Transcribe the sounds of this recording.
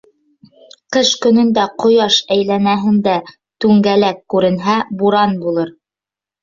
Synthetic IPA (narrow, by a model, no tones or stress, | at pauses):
qɤʃkɵ̆nɵ̆nd̪æqŏjɑʃæjlænæɦɘ̆nd̪æ | t̪ʉŋɡælækːʉɾɘ̆nɦæbuɾɑnbulˠɤɾ